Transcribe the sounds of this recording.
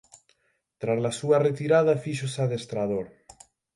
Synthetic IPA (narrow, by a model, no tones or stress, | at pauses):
t̪ɾazlasuaret̪iɾaðafiʃosaðest̪ɾað̞oɾ